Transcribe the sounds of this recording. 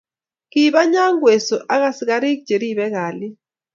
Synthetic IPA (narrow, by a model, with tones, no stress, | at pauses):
ki˦ɓa˦ɲa˦ŋɡwe˨sɔ˨ʔa˦ka˦si˦ka˦ɾi˦k̚d͡ʒe˨ɾi˦ɓɛ˦kaː˨lɪ˦